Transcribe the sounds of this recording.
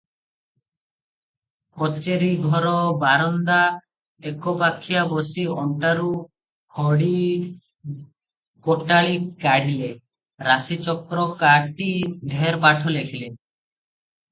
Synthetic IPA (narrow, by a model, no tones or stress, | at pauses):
pɔt͡ʃeɾiɡʱɔɾɔbaɾɔnd̪a | ekopakʰːijabɔsiɔɳʈaɾu | kʰɔɽi | koʈaɭikaɽ̤ile | ɾasit͡ʃɔkɾɔkaʈiɖʱeɾpaʈʰɔlekʰile